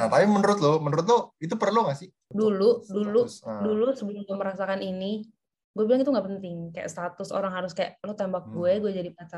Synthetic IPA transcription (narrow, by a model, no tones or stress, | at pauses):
at̪apimənəɾʊt̪̚lomənəɾʊt̪̬lʊit̪̬upərluŋasɪ | duluduludulusəbəlʊɡaməɾasakanini | ɡuɛbilaŋit̪uŋɡapənt̪ɪŋkaja̰ʔst̪at̪ʊso̰ɾaŋɦaɾʊskaja̰ʔlot̪embak̚ɡuɛɡuɛd͡ʒadipəasa